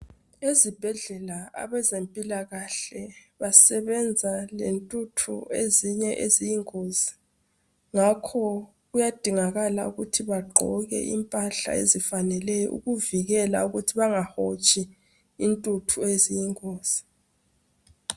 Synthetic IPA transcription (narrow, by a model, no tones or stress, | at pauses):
ezib̥ʱɛɮɛlaa̰βɛzempʼilaɣaɬɛβasɛβɛnd͡zʱalentʼutʰṵeziɲɛʔezijiŋoːzi | ŋakʰɔ | ɣujad̥ʱiŋaɣala̰uɣutʰiβaɡ͡ǃʱɔ̰ɣɛ̰ʔḭmpʼaɬa̰ḛzifanɛlɛjɔ̰ʔṵɣuviɣɛla̰uɣutʰiβaŋahot͡ʃʼi | intʼutʰuezijiŋoːz̥i